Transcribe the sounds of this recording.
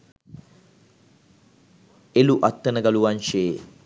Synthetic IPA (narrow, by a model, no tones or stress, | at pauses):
eluʔat̪ːənəɡaluʋanʃeː